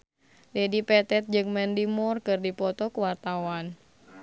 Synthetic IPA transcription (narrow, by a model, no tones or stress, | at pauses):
dɛdipɛt̪ɛt̪̚d͡ʒɨŋmɛndimɔrkɨrdipɔt̪ɔkuwart̪awan